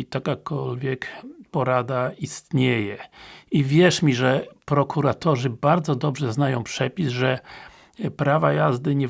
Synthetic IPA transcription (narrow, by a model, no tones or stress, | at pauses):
t̪akakɔlvʲjɛkpɔɾad̪aist̪ɲejɛivʲjɛʂmʲiʐɛpɾɔkʰuɾat̪ɔʐɘbaɾd̪zɔd̪ɔbʐɛznajɔ̃w̃pʂɛpʲizʐɛ | pɾavajazd̪ɘɲɛ